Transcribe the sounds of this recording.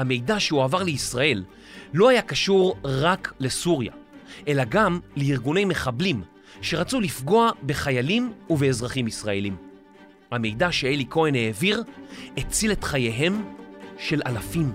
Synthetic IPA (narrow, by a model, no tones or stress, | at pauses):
hame̞jdaʃeuavaʁleisʁae̞lː | o̞ajakaʃuʁʁakle̞suʁja̰ʔe̞laɡamleiʁɡune̞jme̞χablim | ʃe̞ʁat͡sulifɡo̞abe̞χajalimuveːzʁaχimisʁae̞lim | hame̞jdaʃeeliko̞ene̞ːviʁet͡sile̞tχaje̞ɦe̞mʃe̞lʔalafim